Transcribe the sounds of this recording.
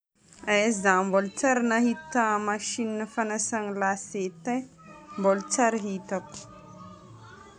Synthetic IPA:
esãmbolt͡sɐɾnɐɦit̪ːamɐʃinːəfɐnɐsɐŋlaseːt̪e | bolt͡ʃɐɾɦit̪ɐk

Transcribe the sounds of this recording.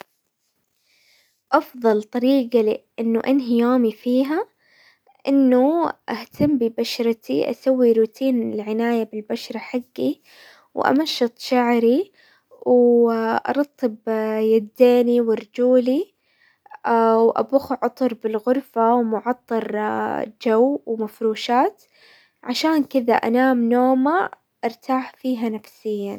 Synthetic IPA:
ʔɑfðˤɑlt̪ˤɑɾiːɡalʔɪnːʊʔanɦɪjoːmifiːɦa | ʔɪnːuʔaht̪ʰamːbibaʃɾˤɑt̪iʔa̰sawːiɾuːt̪ʰiːnɪlʕɪnaːjabɪlbaʃɾˤɑħaɡːi | wʔa̰maʃːɨt̪ˤʃaʕɾi | wʔɑ̰ɾˤɑt̪ˤːɨbjad̪ːeːniwɪɾˤd͡ʒuːli | ʔawʔa̰bʊxʕʊt̪ˤʊɾˤbɪlɣʊɾfawmʊʕɑt̪ˤːɑɾˤd͡ʒawwmafɾuːʃaːt̪ | ʕaʃaːnkɪða̰ʔa̰naːmnoːma | ʔɪɾˤt̪aːħfiːɦanafsɪjːan

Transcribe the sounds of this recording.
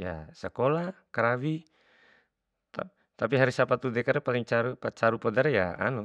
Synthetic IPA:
ja̰sɛkɔlakaɾawi | t̪a̰ | t̪apiɦaɾisapat̪udɛkaɾɛpalɛŋt͡ʃaɾupat͡ʃaɾupɔdaɾɛja̰a̰nɔ

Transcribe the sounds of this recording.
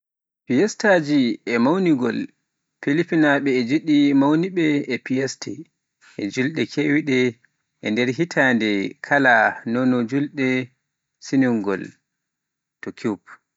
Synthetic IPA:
pijɛstad͡ʒiɛmawniɡɔ̰l | pilipinaɓɛːd͡ʒuɗimawniɓɛɛpiɛstʰɛ | ʔɛd͡ʒulɗɛkʰewiɗɛ | ʔɛndɛɾɦitʰaːndɛkʰalanonɔd͡ʒulɗɛ | sinuŋɡɔ̰l | tɔkʰup̚

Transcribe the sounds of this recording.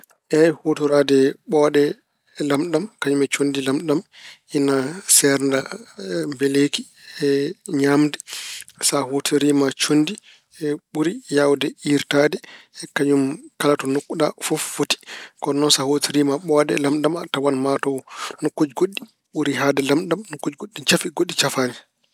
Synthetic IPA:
ʔɛhotuɾadɛɓɔɗɛ | lamɗamkaɲumɛt͡ʃondilamɗaminasɛɾndambeleki | ɛɲamdɛsahotʰiɾimat͡ʃondi | ɛɓuɾijawdɛiɾtadɛkaɲumkalatɔnokːuɗafoffoti̥kɔnɔnsahotiɾimaɓɔadɛ̰lamɗamatːawanmatɔnokːod͡ʒɡoɗːi | ɓuɾiɦadɛlamɗamnokːod͡ʒɡoɗːit͡ʃafiɡoɗːit͡ʃafani

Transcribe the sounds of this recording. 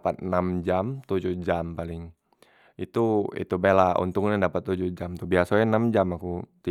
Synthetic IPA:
pat̪̚namd͡ʒamt̪ud͡ʒuhd͡ʒampalɪŋ | it̪uḭt̪ubelaṵnt̪uŋɲadapat̪ːud͡ʒuhd͡ʒamt̪ubiasaɛnamd͡ʒamakut̪i

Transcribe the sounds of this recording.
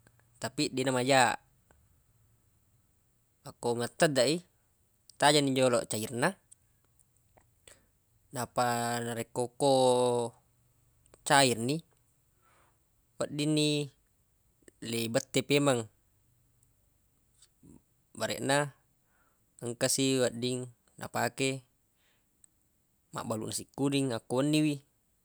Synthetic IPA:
t̪apiʔdinamad͡ʒa | akoŋat̪ːədaʔi | t̪ad͡ʒanid͡ʒolɔ̰ʔt͡ʃairna | napanaɾekoko | t͡ʃairni | waʔdinːi | leibət̪ːepemaŋ | baɾɛ̰ʔna | əŋkasiwadiŋ | na̰pake | ma̰ʔbalṵʔnasikːudiŋakːoənːiwi

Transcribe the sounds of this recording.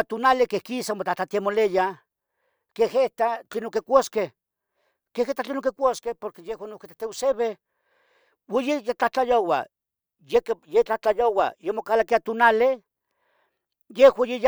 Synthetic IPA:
t̪onalekehkisamot͡ɬaht͡ɬat̪amoleja | keheht̪at͡ɬenokekʷoskeh | keheht̪at͡ɬenoŋkekʷoskehpoɾkejehwanoket̪at̪euseβe | wajejat͡ɬaht͡ɬajowa̰ | jekjet͡ɬaht͡ɬajowa̰jemokalakiat̪onale | jehwajej

